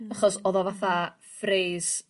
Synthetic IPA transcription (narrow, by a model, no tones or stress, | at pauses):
aχɔsɔðɔvaθa | freːs